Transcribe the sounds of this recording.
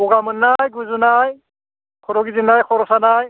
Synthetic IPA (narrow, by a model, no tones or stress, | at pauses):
ɔɡamɯnːajɡuzunaj | kʰɔɾɔɡizinajkʰɔɾɔsanaj